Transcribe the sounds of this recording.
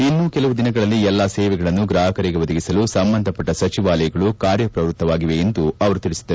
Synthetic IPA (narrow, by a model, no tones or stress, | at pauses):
inːuːkelɐʋud̪inɐɡɐɭɐlːiɛlːasɛːʋɛɡɐɭɐnːuɡɾaːɦɐkɐɾiɡe̞ʋɐd̪ɐɡisɐlusɐmbɐnd̪ʱɐpɐʈːɐsɐt͡ʃiʋaːlɐjɐɡɐɭukaːɾjɐpɾɐʋɾut̪ːɐʋaːɡiʋe̞ːnd̪uɐʋɐɾut̪iɭisi̥d̪ːɐ